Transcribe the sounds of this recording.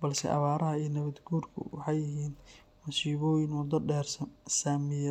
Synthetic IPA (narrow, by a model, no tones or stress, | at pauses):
bɐlsɛ̰ʔɐ̰βaːɾɐɦɐiːnɐβɐd̪ɡuːrkʰʊ̰wɑħɑjɪɦiːn | mɐsiːβɔːjɪnwɔd̪ɐɖɛːrsɐnsaːmɪjɐ